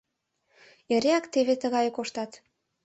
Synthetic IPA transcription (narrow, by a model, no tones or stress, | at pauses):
eɾeɑkt̪eβet̪əɣɑjokoʃt̪ɑt̪